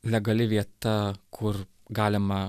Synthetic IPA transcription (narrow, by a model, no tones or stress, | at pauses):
lʲɛɡɐlʲɪʋʲiɛt̪ɐkʰʊɾ | ɡɑːlʲɪmɐ